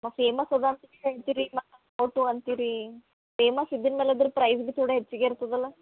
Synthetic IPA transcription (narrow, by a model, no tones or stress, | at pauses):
mɐfeːmɐsɐd̪aːnt̪ikɐit̪iɾimɐɐ | ɐwʈuɐnt̪iɾi | feːmɐsid̪ːɐnmeːleɐd̪ɐɾupɾɐjzɡit̪ʰuːɽɐɦet͡ʃːiɡeiɾt̪ɐd̪ɐlːɐ